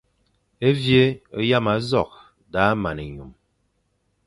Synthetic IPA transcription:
e˦vje˦o˦ja˦ma˨˦zɔ˦˨k̚ | da˨˦ma˨ne˨ɲu˨m

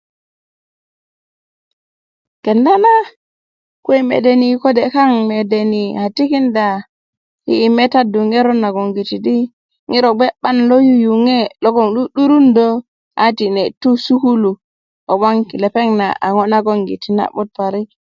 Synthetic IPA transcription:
kɛ˨nda˦na˦ | ke˦mḛ˨de˨ni˨kɔ˦dɛ˨ka˦ŋme˨de˨ni˨ha˨ti˦ki˦nda˨ | hḭː˦˨mɛ˦ta˦du˨ŋɛ˦ɾɔ˦nːa˨ɡo˨ŋɡi˨ti˨di˦ | ŋi˦ɾɔ˨ɡ͡be˦ɓa˦nlo˦ju˦ju˨ŋe˦lɔ˦ɡɔ˦ŋɗu˦ɗu˦ɾu˦ndɔ˦ | ʔa˦ti˨nɛ˨tu˦su˦ku˦lu˨ | o˨ba˦ŋki˨lɛ˨pe˦ŋna̰ʔa˨ŋɔ˦na˦ɡo˦ŋɡḭ˨ti˨na̰˨ɓu˦t̚pa˨ɾi˦

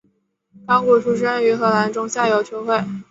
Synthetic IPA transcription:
t̪ɑ˥ŋkwɔ˧˥ʂʰu˧˥ʂ̬ɻ̩˥ə˥ny˧˥xɤ˧˥la˧˥nʈ͡ʂʊ˥ŋɕja˥˩jo˧˥ʊt͡ɕʰwɔ˧˥ʊxwe˥˩ɪ

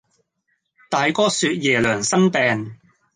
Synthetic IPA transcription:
t̪aː˨jkɔː˥syː˧t̚jɛː˨˩lœː˨˩ŋsɐ˥npɛː˨n

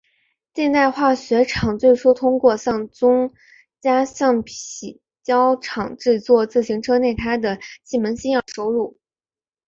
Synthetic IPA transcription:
t͡ɕ̪jɛ˥˧nt̪a˥˧ɪxwa˥˩ɕɥɛ˧˥ʈ͡ʂʰɑ˨˩ŋt͡swe˥˩ɪʈ͡ʂʰɔ˥t̪ʰʊ˥ŋkwɔ˥˧ɕjɑ˥˩ŋt͡sʊ˥ŋ | t͡ɕja˥ɕjɑ˥˩ŋpʰi˨˩ | t͡ɕjɑ˥ʊʈ͡ʂʰɑ˨˩ŋʈ͡ʂɻ̩˥˧t͡swɔ˥˧t͡sɹ̩˥˩ɕi˧˥ŋʈ͡ʂʰɤ˥ne˥˩ɪt̪ʰa˥ɪd̪ə˨t͡ɕi˥˩mə˧˥nɕi˥ŋə˞˨˩ʂo˥ʊɻu˥˩

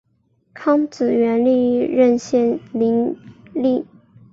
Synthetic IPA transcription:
kʰɑ˥ŋt͡sɹ̩˨˩ɥɛ˧˥nli˥˧ɻə˥˧nɕjɛ˥˩nli˧˥ŋli˥˩

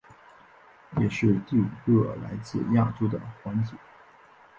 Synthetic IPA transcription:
jɛ˨˩ʂɻ̩˥˧t̪y˥˩kɤ˥˩la̰˧˥ɪt͡sɹ̩˥˧ja˥˩ʈ͡ʂo˥ʊd̪ə̰˨˩xwa˧˥nt͡ɕi˧˩˦

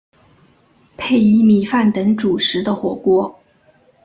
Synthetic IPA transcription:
pʰe˥˩ɪi˧˥mi˨˩fa˥˩nt̪ɤ˧˥ŋʈ͡ʂu˨˩ʂɻ̩˧˥d̪ə˧xwɔ˨˩kwɔ˥

